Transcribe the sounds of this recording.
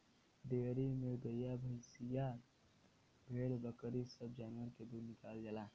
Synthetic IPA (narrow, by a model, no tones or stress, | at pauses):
d̪eɾimeɡ̪əjabʱəɪsija | bʱelbəkɾisəb̚d͡ʒanʋəɾked̪uɾnikald͡ʒala